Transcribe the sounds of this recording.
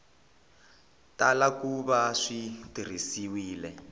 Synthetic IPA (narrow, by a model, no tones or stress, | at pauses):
talakuβaʂitir̤isiwiːlɛ